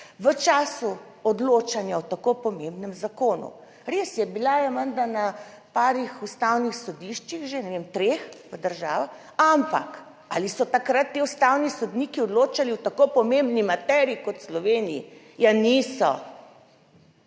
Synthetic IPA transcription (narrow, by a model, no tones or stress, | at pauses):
ʋət͡ʃaːsu | ɔd̪loːt͡ʃanjawt̪akopɔmembnɛmzakoːnṵ | ɾesjɛbilajamənd̪ana | paːɾixust̪awnixsɔd̪iʃt͡ʃiɣʒenɛʋemt̪ɾexʋəd̪əɾʒaːʋax | ampa̰k | alisɔt̪akɾat̪ːeust̪awnisɔd̪niːkiɔd̪loːt͡ʃaliwt̪akopɔmembnimat̪ɛɾikɔt̪slɔʋeːniḭ | janisɔ